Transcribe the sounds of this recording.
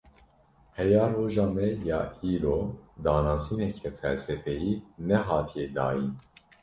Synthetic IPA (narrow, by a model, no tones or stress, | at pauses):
hɛjɑːroːʒɑːmɛjɑːiːloːd̪ɑːnɑːsiːnɛcʰɛfɛlsɛfɛjiːnɛɦɑːt̪ʰijɛd̪ɑ̰ːjin